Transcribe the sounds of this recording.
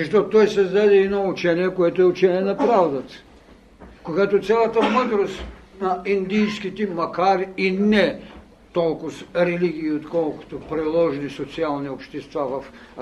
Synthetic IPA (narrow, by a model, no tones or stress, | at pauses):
zɐʃt̪ɔt̪ɔjsɛzd̪ad̪ɛɛnɔut͡ʃɛniɛkoɛt̪oɛut͡ʃɛniɛnɐpɾavd̪ɐt̪ | koɡat̪ot̪sʲjalˠɐt̪əməd̪ɾost̪ | nɐind̪ijskit̪ɛmɐkaɾiinɛ | t̪ɔlˠkʊsɾɛliɡ̟iːot̪kɔlˠkʊ̥t̪opɾilˠɔʒnisot̪sialˠniopʃt̪ɛst̪vavɐf